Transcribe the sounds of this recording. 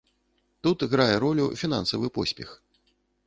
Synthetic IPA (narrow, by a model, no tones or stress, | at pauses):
t̪ut̪ɣɾajɛɾɔlʲufʲina̰nsɐvɨpɔsʲpʲɛ̰x